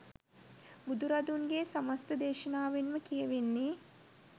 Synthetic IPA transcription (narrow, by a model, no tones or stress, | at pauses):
bud̪uɾɐd̪unɡeːsɐmɐst̪əd̪eːʃɐnaːʋenməkijeʋenːi